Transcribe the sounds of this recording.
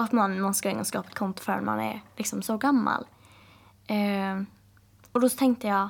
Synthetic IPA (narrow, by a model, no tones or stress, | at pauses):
at̪manmanskaɪŋːəskɑːpḁt̪̚kʰɔnt̪ʊ̥fœɾɛ̰nma̰nɛ̰ɾlɪksɔmsɔɡamːa̰l | ɛ | ɔd̪ɔt̪ʰɛŋk̚t̪əjɑ